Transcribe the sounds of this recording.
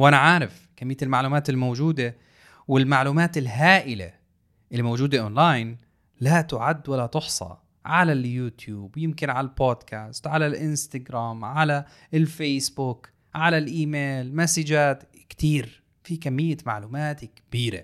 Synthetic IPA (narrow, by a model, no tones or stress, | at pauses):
wʔanaʕaːɾɪf | kamːɪjːaɪlmaʕluːmaːt̪ɪlmowd͡ʒuːd̪e | wɪlmaʕluːmaːt̪ɪlɦaːʔɪlḛ | ʔɪlːimowd͡ʒuːd̪aʔoːnlaːjn | lat̪ʊʕad̪ːwalːat̪ʊħsˤɑ̰ | ʕalaljuːt̪ʰjuːbjɪmkɪnʕalalboːd̪kʰaːst̪ʕalalʔɪnst̪aɡɾaːmʕala | ɪlfeːsbʊk | ʕalalʔiːmeːlmasɪd͡ʒaːt̪ | kt̪iːɾ | fikamːɪjːama̰ʕluːmaːt̪kb̥iːɾḛ